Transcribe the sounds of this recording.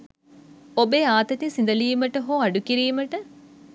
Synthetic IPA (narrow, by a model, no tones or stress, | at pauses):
obeːaːt̪ɐt̪isind̪ɐliːməʈəɦoːaɖukiɾiːməʈə